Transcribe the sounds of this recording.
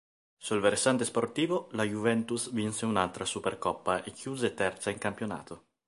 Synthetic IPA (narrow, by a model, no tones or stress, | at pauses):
sulveɾsant̪esport̪iːvolajuvɛnt̪usvinseunalt̪ɾasuperkɔpːaekʰːjuːzet̪ɛrt̪saiŋkampjona̰ːt̪ʰo